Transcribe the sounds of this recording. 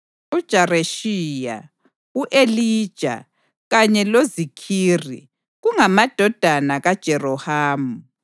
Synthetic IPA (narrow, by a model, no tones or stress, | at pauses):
ud̥ʒ̥ʱareʃija̰ | uʔeliːd̥ʒ̥ʱa̰ | ɣaɲɛlozikʰiːrḭ | ɣuŋamad̥ʱɔd̥ʱanaɣad̥ʒ̥ʱɛrɔhaːmu